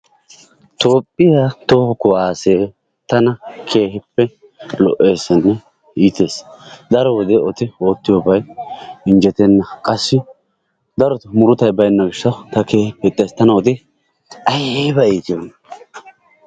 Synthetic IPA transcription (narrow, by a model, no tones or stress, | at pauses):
t̪o̞ːpʼːɪjaːt̪ohɔkɔwaːse̞ː | t̪ɐnɐkʰe̞ːhɪpːɛ | lɔ̰ʔeːsːɛnːɛ | iːt̪e̞ːsd̪ɐɾɔwɔd̪ɛɔt̪ɪoːt̪ːɪjobɐjɪnd͡ʒɛt̪ɛnːɐkʼɐsːɪ | d̪ɐɾɔt̪ʊmʊɾʊt̪ɐjbɐjnːɐɡɪʃːɐwt̪ɐke̞ːhɪpːɛt̪ʼːeːst̪ɐnɐɔt̪ɪ | ɐjbɐiːt̪ɪjonː